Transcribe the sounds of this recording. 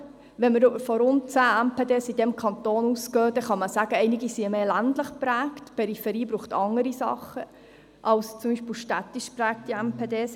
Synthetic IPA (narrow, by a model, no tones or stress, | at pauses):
ʋɛnməɾfɔɾʊnt̚t͡sæːɛmpʰeːdeːsid̥ɛmkʰɑnt̪oːnuskøːdɛχɑməsæɡ̥əɛɪnɪɡisiəmeːlændləχpɾæːktpʰɛɾifɛɾiːbɾuːχtɑŋəɾisɑ̰χə | ʔɑlst͡sʊmbiːʃpilʃtæt̪ːiʃpɾæːk̚tiɛmpʰeːdeːs